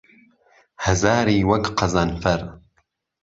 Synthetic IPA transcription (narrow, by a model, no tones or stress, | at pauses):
hɐzaːɾiːwɐkqʰɐzanfɐɾ